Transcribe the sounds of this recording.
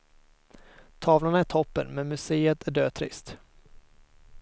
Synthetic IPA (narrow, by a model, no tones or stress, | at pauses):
t̪ʰɑːvlʊnaæʈʰɔpːə̰nmɛnmɵseːət̪ʰæɖøːt̪ʰɾɪ̰st̪